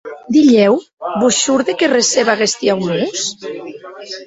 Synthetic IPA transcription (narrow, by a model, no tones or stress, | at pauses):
d̪iʎɛw | busʃuɾðekereseβaɣest̪iawmus